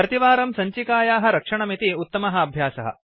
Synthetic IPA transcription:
ɾɐt̪iʋaːɾɐmsɐɲt͡ʃikaːjaːɦɐ̆ɾɐkʂɐɳɐmit̪iut̪ːɐmɐɦɐɐbʱjaːsɐɦɐ̰

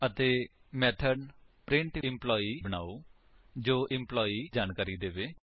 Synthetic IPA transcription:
ət̪eː | mɛːʈʰənpɾɪ̃ɳʈɪɪmplɔːiːbənaːoː | d͡ʒoːʔɪmplɔːiːd͡ʒaːnkaːɾiːd̪eːʋeː

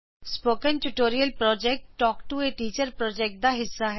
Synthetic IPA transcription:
spoːkə̃nʈuʈoːɾijəlpɾɔːd͡ʒeːk̚ʈʈːɔːkʈueʈiːt͡ʃəɾpɾɔːd͡ʒeːk̚ʈ̚d̪aɦɪsːaɦɛ

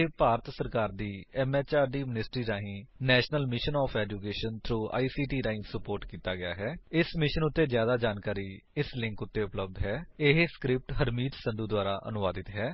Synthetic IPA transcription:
epaːɾət̪səɾkaːɾd̪iːɛːmɛːt͡ʃaːɾɖiːmɪnɪsʈɾiːɾaːɦĩːnɛːʃnəlmɪʃənɔːpʰɛːd͡ʒuːkeːʃənt̪ʰɾuːʔa̰ːiːsiːʈiːɾaːɪ̃ːsəpoːɾʈkiːt̪aːɡɪja̰ːɦɛːɪsmɪʃənʊt̪ːeːzjaːd̪aːd͡ʒaːnkaːɾiːɪslɪ̃ŋkʊt̪ːeːʊpləb̚d̪ɦɛːɪɦskɾɪp̚ʈɦəɾmiːt̪sənd̪uːd̪waːɾaːʔə̰nʊʋaːd̪ɪt̪ɦɛː

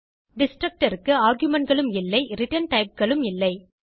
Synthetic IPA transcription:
ɖɪsʈɾɐk̚ʈɐɾɯkːɯaːɾɡjɯmɐɳ̚ɡɐɭɯmɪlːɐɪɾɪʈɐnʈɐɪp̚ɡɐɭɯmɪlːɐɪ

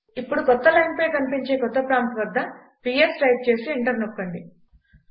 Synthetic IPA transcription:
ipːuɽukɔt̪ːɐlɐjnpɐjkɐnipiɲt͡ʃe̞ːkɔt̪ːɐpɾaːmp̪ʋɐd̪ːɐ | piːesʈɐjp̚t͡ʃe̞ːsiːɳʈɐɾnokːɐɳɖi

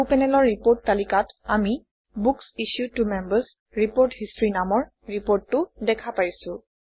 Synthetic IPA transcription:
upɛnɛlɔɹːipoɹtːalikatami | buksiʃjutumɛmbəs | ɹipoɹthistɹinamɔɹ | ɹipoɹtːʊdɛkʰapajsʊ̃

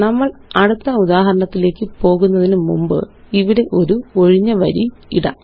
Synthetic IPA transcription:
nɐmːɐɭɐɽut̪ːɐuðaːɦɐɾɐɳɐt̪ːile̞ːkːɨpo̞ːɣunːɐðinumumbɨ̰ | iʋiɽe̞ʔo̞ɾuo̞ɻiɲːɐʋɐɾi | iɽɐ̰

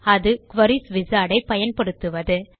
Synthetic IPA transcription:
ɐðɯkʋɐɾisʋɪzaːɽɐɪpɐjɐnpɐɽɯt̪ːɯʋɐðɯ

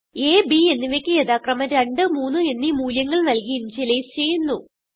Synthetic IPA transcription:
e̞ːbie̞nːiʋekʲːɨjeðaːkrɐmɐɾeɳɖɨmuːnːɨe̞nːimuːljɐŋːɐɭnɐlkijint͡ɕelejist͡ɕe̞jːunːu

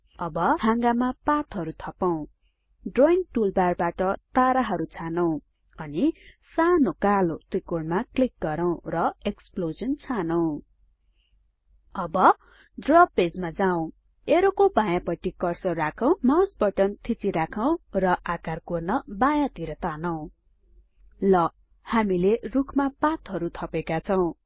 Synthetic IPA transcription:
ʌbʌhaŋɡamapat̪ɦʌɾut̪ʰʌpaw̃ | ɖroiŋʈulbarbaʈʌt̪aɾaɦʌɾut͡sʰanʌw̃ | ʌnisanokalot̪ikoɽmaklik̚ɡʌɾaw̃rʌeksplozʌnt͡sʰanʌw̃ | ʌbʌ | ɖrʌbped͡zmad͡zaw̃ | eɾokobãjãpʌʈikʌrsʌrakʰʌw̃mawsbʌʈʌnt̪ʰit͡siɾakʰʌw̃rʌʔʔakarkurnʌbajãt̪iɾʌt̪anʌw̃ | lʌ | hamilerukʰmapat̪ɦʌɾut̪ʰʌpekat͡sʰʌw̃

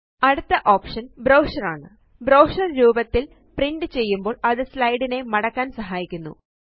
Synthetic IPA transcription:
ɐɽut̪ːɐʔo̞ːpʂɐnbɾɐwʂɐraːɳɨ̰ | bɾɐwʂɐrɾuːbɐt̪ːil | priɳɖɨt͡ɕe̞jːumbo̞ːɭɐðɨslɐjɽine̞mɐɽɐkːaːnsɐɦaːjikʲːunːṵ

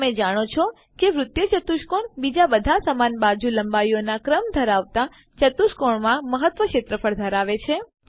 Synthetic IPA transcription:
med͡ʒaɽ̃ot͡ʃʰo | keʋɾʊt̪jət͡ʃət̪uʃkoɳbid͡ʒabəd̪ʱasəmanbad͡ʒuləmbaionakɾəmd̪ʱəɾaʋt̪a | t͡ʃət̪uʃkoɳmãməɦət̪ʋəkʃet̪ɾəfʰəɾd̪ʱəɾaʋet͡ʃʰe

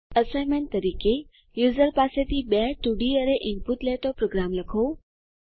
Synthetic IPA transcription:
ɐsajmẽnt̪ɐɾiːke | juːzəɾpaːset̪ibɛɦʈuɖiəɾeʔɪnpuʈleːt̪opɾoːɡɾaːmlɐkʰoː

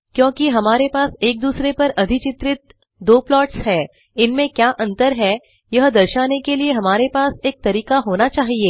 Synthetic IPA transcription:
kjõːkiɦɐmaːɾepaːseːk̚d̪uːsɾepɐɾʔɐd̪ʱɪt͡ʃɪt̪ɾɪt̪̚ | d̪oːplɔːʈsɦɛː | ɪnmẽkjaːʔɐ̃nt̪əɾɦɛː | jɐɦd̪ɐɾʃaːnekelieɦɐmaːɾepaːseːk̚t̪ɐɾiːkaɦoːnat͡ʃaːɦieː

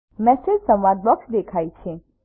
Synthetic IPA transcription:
mɛsed͡ʒsə̃mʋad̪̚bɔksd̪ekʰajt͡ʃʰe

